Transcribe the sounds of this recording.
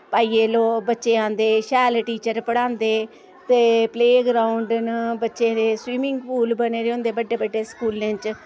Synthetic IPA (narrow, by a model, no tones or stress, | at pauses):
paːiːeːloːbətːʃeːãːnd̪eːʃɛːlʈiːt͡ʃəɾpəɽãːnd̪eː | t̪eːpleːɡɾaːʊɳɖnbətːʃeːɾeːswiːmɪŋɡpuːlbəneːɾeõːnd̪eːbəɖeːbəɖeːskuːlẽːt͡ʃ